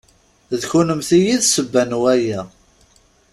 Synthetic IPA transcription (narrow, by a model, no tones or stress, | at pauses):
ðçunəmθijiðsəbːænwæjæ